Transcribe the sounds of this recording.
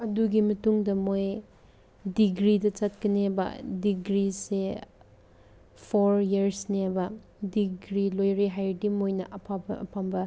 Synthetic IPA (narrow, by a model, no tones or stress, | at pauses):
ɐduɡimɐtuŋdɐmoj | diɡɾidɐt͡ʃat̚kɐnebɐ̰diɡɾise | pʰoɾiɐɾsnebɐ | diɡɾilojɾiɦajɾdimojnɐʔɐpʰabɐpʰambɐ